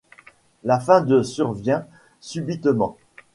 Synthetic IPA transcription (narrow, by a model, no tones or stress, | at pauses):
lafɛ̃d̪əsyʁvjɛ̃ | sybit̪mɑ̃